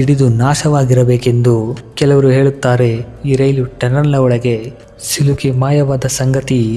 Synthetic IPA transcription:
iɽid̪unaːʃɐʋaːɡiɾɐbeːke̞nd̪ukɛlɐʋɐɾuɦe̞ːɭut̪ːaːɾeiːɾɐjluʈɛnɐɾlɐɔɭɐɡe̞ | silukimaːjɐʋaːd̪ɐsɐŋɡɐt̪i

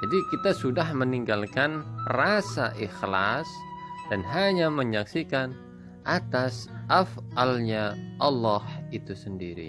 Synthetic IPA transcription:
d͡ʒadikit̪asudahməniŋɡalkanrasa̰ʔixla̰sd̥anɦaɲaməɲaksikan | ʔat̪asʔafalɲaʔɑlːɔhit̪usəndiɾḭ

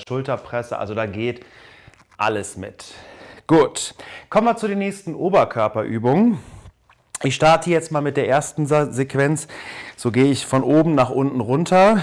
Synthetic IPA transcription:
ʃʊltɐpʁ̥ɛsəʔa̰lzodaːɡeːt | ʔa̰ləsmɪ̰tɡ̥uːtkʰɔmənmat͡sudeːnɛːçstn̩ʔoːbɐkʰœɐpɐʔyːbʊŋən | ʔɪçʃtaɐtʰəjɛt͡stmaːlmɪt̚d̥eːɐʔeːɐstn̩zekv̥ɛnt͡sz̥oːɡeːəɪçfɔnʔoːbm̩naːχʔʊntn̩ʁʊntʰɐ

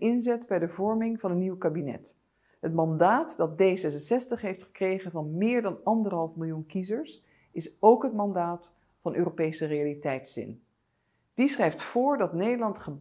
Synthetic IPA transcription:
ɪnzɛtbɛjdəvɔɹmɪŋvɑnɦətniwkaːbinɛ̰t | ɦətmɑndaːtdɑt̚dejsɛs̬ənsɛstəχɦejftχə̥krejχənvɑnmɪːɹdɑnɑndərɦɑlˠfmɪlˠjunkizəɹs | ɪsowkɦətmɑndaːt | fɑnʔøːropejsərejalitɛjtsɪ̰n | d̥isχrɛjftfʊːɹdɑtnejdəlɑntχə

